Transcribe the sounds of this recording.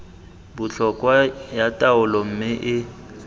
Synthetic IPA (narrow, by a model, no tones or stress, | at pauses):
bʊt͡ɬʰɔkʼwajatʼaʊlɔm̩mɪʔɪ